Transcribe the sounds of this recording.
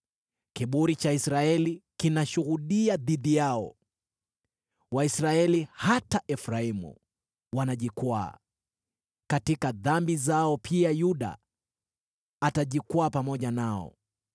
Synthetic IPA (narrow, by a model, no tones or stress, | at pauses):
kiɓuɾit͡ʃaisɾaɛlikinaʃuɣuɗiaðiðijaɔ̰ | waisɾaɛlihataʔɛfɾaimṵ | wanaʄikwa̰ː | katikaðambizaɔpʰiajuɗa̰ | ataʄikwaːpamɔʄanaɔ̰